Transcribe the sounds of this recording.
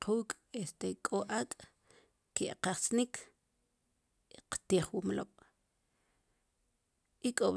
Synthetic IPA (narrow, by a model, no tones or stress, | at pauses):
quːkʼ | est̪ekʼoʔakʼ | keʔqaχt͡snikʰ | qt̪iːχwumloɓ̥ | ikʼo